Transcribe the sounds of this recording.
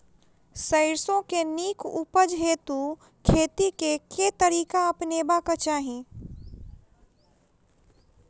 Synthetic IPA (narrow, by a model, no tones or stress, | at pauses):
səɪɾsõkeniːkʰṵpəd͡ʒɦeːt̪u | kʰeːt̪ikekʰet̪əɾiːkaɐpneːbakət͡ʃaːɦĩː